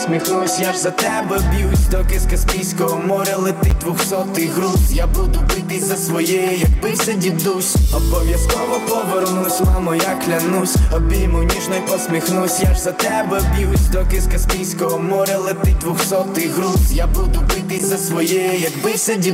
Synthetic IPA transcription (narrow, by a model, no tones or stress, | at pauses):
smʲixnusʲjaʒzɐt̪ɛbɛbʲjusʲd̪ɔkɪskɐspʲijsʲkɔɦɔmɔɾʲɐlˠɪt̪d̪ʋʊxsɔt̪ɪɦɾuzjabud̪ʊbɪt̪ɪzɐsʋɔjɛjɛjɐk̚bɪsɛdʲid̪usʲɔbɔʋʲjɐskɔʋɔpɔʋeɾnusʲmamɔjaklʲɐnusʲɔbʲimʊnʲiʒnɔjpɔsmʲixnusʲjaʒzɐt̪ɛbɛbʲjusʲd̪ɔkɪskɐspʲijsʲkɔɦɔmɔɾʲɐlˠɪt̪ɪd̪ʋʊxsɔt̪ɪɦɾuzjabud̪ʊbɪt̪ɪzɐsʋɔjɛjɛjɐɡbɪsɛdʲi